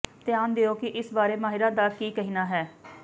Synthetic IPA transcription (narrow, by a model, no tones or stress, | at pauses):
t̪ɪjaːnd̪eoːkɪʔɪsbaːɾeːmaːɦɪɾãːd̪aːkiːkəɦiːnaːɦɛː